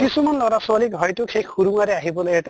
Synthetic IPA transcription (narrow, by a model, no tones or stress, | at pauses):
kisumanlɔɾasalikɦɔjtʊkʰejkʰuɾuŋaɾɛaɦibɔlojɛt